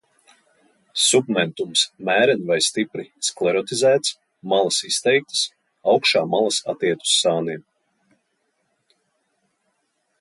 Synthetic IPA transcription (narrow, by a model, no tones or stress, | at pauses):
submɛnt̪umsmæːɾɛnvajst̪ipɾisklˠɛɾɔt̪izæːt̪s | malˠasist̪ɛjk̚t̪ə̥s | ɑwkʃaːmalˠasat̪iɛt̪u̥sːaːniɛm